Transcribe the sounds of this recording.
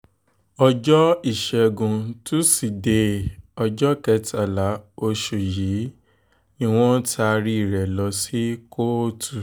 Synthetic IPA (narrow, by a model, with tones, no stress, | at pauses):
ɔ˧d͡ʒɔ˦i˦˨ʃɛ˧ɡũ˧tũ˦si˨de˨˧˦ɔ˧d͡ʒɔ˦kɛ˧˦ta˨la˨˦o˧ʃu˨ji˨˦ | nĩ˦˧w̃ɔ̃˦tʰa˧ɾi˦i˦˨ɾɛ˨lɔ˧si˦ko˦o˦tʰu˨